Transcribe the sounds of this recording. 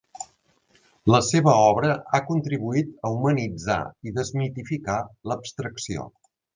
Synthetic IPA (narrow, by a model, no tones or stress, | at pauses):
ləseβəɔβɾəakunt̪ɾiβuit̪əumənid͡za̰iðəzmit̪ifikaləpst̪ɾəksio̰